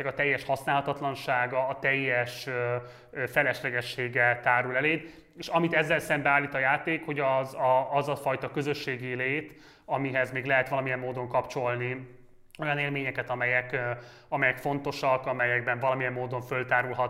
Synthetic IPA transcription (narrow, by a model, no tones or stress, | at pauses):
ɛkɒt̪ɛjːɛʃhɒsnaːlɦɒt̪ɒt̪lɒnʃaːɡɒːt̪ɛjːɛʃø | øfɛlɛʃlɛɡɛʃːeːɡɛt̪aːɾulɛleːd̪ | eːʃɒmit̪ɛzːɛlsɛmbɛaːlːiːt̪ɒjaːt̪eːkho̞ɟɒzɒːzɒfɒjt̪ɒkø̞zø̞ʃːeːɡileːt̪ | ɒmiɦɛzmeːɡlɛɦɛt̪ʋɒlɒmijɛmːoːd̪o̞ŋkɒpt͡ʃo̞lni | o̞jɒneːlmeːɲɛkɛt̪ɒmɛjɛk | ɒmɛjɛkfo̞nt̪o̞ʃɒkɒmɛjɛɡbɛɱvɒlɒmijɛmːoːd̪o̞ɱfø̞lt̪aːɾulɦɒt̪